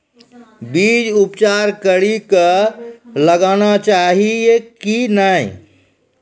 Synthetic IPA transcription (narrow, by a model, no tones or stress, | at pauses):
bid͡ʒupt͡ʃaɾkəɽikə | ləɡanat͡ʃaɦiekinaj